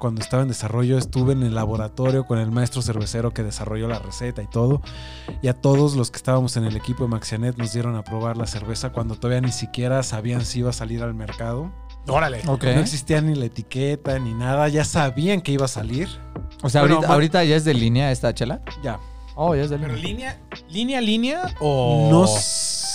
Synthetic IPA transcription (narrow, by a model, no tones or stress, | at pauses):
kwand̪oest̪aβaend̪esaro̞ʝo̞est̪uβeːne̞lːaβo̞ɾat̪o̞ɾjo̞ko̞ne̞lmaest̪ɾo̞se̞ɾβe̞seɾo̞ke̞ðe̞saro̞ʝo̞lare̞se̞t̪ait̪o̞ðo̞ | iat̪o̞ðo̞zloske̥st̪aβamo̞se̞ne̞lekipo̞ðemaksjane̞t̪no̞zðje̞ɾo̞napɾo̞β̞aɾlase̞ɾβe̞sakwand̪ot̪o̞ðaβianisikje̞ɾasaβiansiiβasaliɾalme̞ɾkað̞o̞ | oɾaleoknenoeks̬ist̪ianilaet̪iket̪aninaðaʝasaβiaŋkeiβasaliɾoseaɾiaaoɾit̪aʝaezðe̞linaest̪at͡ʃelaɟ͡ʝa | oʝaezðelɾlinja | linjalinjaono